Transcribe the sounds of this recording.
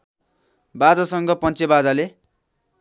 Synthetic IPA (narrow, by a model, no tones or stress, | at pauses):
bad͡zasʌŋɡʌpʌnt͡sebad͡zale